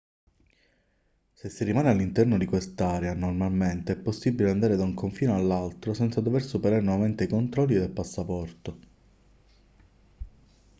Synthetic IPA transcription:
sesːirimaːnealːint̪ɛrnod̪ikwest̪aːɾeanormalment̪eɛpːosːibileand̪aːɾed̪auŋkoɱfiːnealːalt̪ɾosɛnt̪sad̪oversupeɾaːɾenovament̪eikont̪ɾɔlːid̪elpasːapɔrt̪o

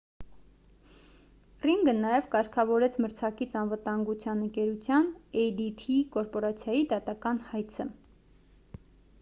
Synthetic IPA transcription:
riŋɡənɑjɛvkɑɾkʰɑvɔɾɛt͡sʰməɾt͡sʰɑkit͡sʰɑnvət̪ɑŋɡut͡sʰjɑnəŋkɛɾut͡sʰjɑnɛjd̪it̪ʰikɔɾpɔɾɑt͡sʰjɑjid̪ɑt̪ɑkɑnhɑjt͡sʰə

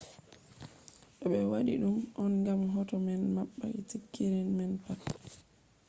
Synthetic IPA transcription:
ɗɔɓɛwaɗḭɗumʔɔnɡamɦɔtɔmɛnmaɓːa̰itikːiɾinmɛnpat

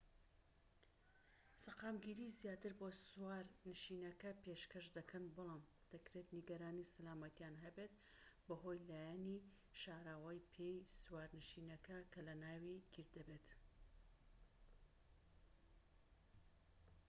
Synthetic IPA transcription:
sɐqaːmɡiɾizjaːt̪ɨɾbosuwaːɾnɨʃinɐkɐpeʃkɐʃd̪ɐkʰɐnbɨlˠaːm | d̪̥ɐkɾet̪niɡɐɾaːnisɐlaːmɐt̪ijaːnɦɐbet̪ | bɐɦo̞jlaːjani | ʃaːɾawɐjpʰejswaːɾnɨʃinɐkɐkʰɐlɐnaːwiɡ̥iɾd̪ɐbet̪

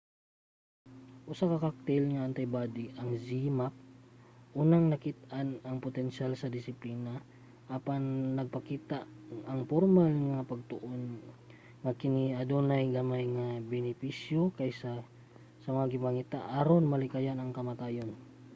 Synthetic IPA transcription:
ʔʊsakɐkak̚t̪ɛlŋɐːnt̪ɐjbad̪iʔɐŋzimap̚ʔuːnaŋnɐkit̪ʔanɐŋpot̪ɛnʃalsɐd̪ɪsɪpliːna | ʔɐpanːɐɡ̚pɐkiːt̪aɐŋpoɾmalŋapɐɡ̚t̪oʔon | ŋakɪniɐd̪onajɡɐmajŋabɛnɪpisjokajsa | sɐmɐŋaɡɪmaŋit̪aʔaɾonmɐlɪkajanɐŋkɐmɐt̪aːjon

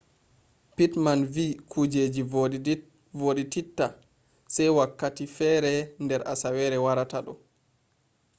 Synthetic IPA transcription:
pitmanviːkʰud͡ʒeːd͡ʒi | voːɗititːa | sajwakːatifɛːɾɛndɛɾʔa̰sawɛɾɛwaɾataɗɔ

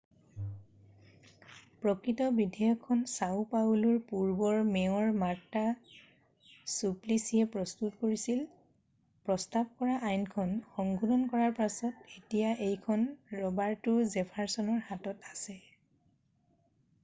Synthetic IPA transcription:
pɹɔkɹitɔbidʱejɔkʰːɔnsawpauluɹpuɹbɔɹmeɔɹmaɹtːa | suplisiɛpɹɔstutkoɹisil | pɹɔstab̚kɔɹaʔajnkʰɔnxɔŋɡʱudɔnkɔɹaɹpasɔtetijaʔejkʰɔnɹɔbaɹtʊzɛpʰaɹsɔnɔɹhatɔtasɛ

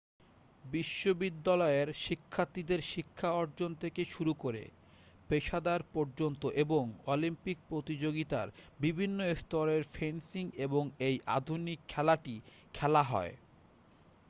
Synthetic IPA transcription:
biʃːobid̪ːalɔeɾʃikʰːat̪id̪eɾʃikʰːaɔɾd͡ʑont̪ʰekeʃuɾukoɾḛ | peʃad̪aɾpɔɾd͡ʑont̪oʔeboŋɔlimpik̚pɾot̪id͡ʑoɡit̪a̰ɾbibʱinːoest̪ɔɾeɾfensiŋeboŋejʔa̰d̪ʱunikʰːɛlaʈi | kʰɛlaɦɔ̰e

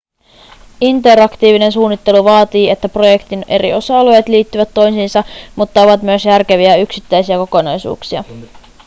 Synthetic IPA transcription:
int̪e̞ɾɑkt̪iːʋine̞nsuːnːit̪ːe̞luʋɑːt̪iːe̞t̪ːæpro̞je̞kt̪ine̞ɾḭo̞sɑɑlojet̪liːt̪ːyʋæt̪ːo̞jsinsɑmut̪ːɑo̞ʋɑt̪myø̞sjærke̞ʋiæyksit̪ːæjsiæko̞ko̞nɑjsṵːksiɑ̰

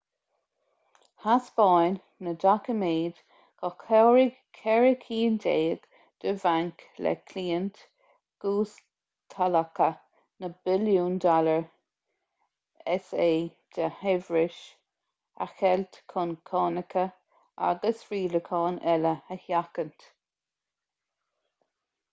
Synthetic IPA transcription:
hasb̥ɑjn | nədakəmeːd̪ | ɡ̥ɔkʰɛwɹi | kʰɛɹəkʰiːndeːəɡ̥ | d̪̥əvaŋklɛ̰kʰliːənt̪ | ɡ̥uːs | t̪ʰaləkə | nəbɪljuːnd̪ɔləɹ | ɛseː | d̪̥əhɛvɹɪʃ | a̰xɛlt̪kʰʊnkʰɑːnəkʰə | a̰ɡəsɹiːləkʰɑːnɛləəhjakənt̪

